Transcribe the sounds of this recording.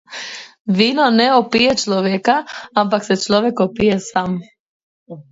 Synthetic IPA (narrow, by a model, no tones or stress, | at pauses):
ʋiːnoneopijet͡ʃloʋjekaampakset͡ʃloʋjekopijesaːm